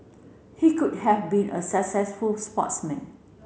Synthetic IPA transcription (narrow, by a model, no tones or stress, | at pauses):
hikud̚hɛvbĩnʔə̰səksɛsfulspɔ̰tsmɛ̃n